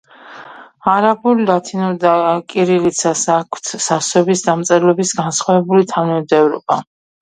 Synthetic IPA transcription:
aɾabullat̪ʰinɔd̪akʼiɾilit̪sʰasakʰwt̪ʰsasɛbisd̪amt̪sʼɛɾlɛbisɡansχwavɛbulit̪ʰavnɛmd̪ɛvɾɔ̰ba

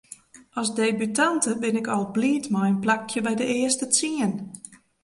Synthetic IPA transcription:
ɔsdejbytantəbɪnɪkɔlˠbliːtmɔjənplak̚jəbɛjdəɪəstət͡siən

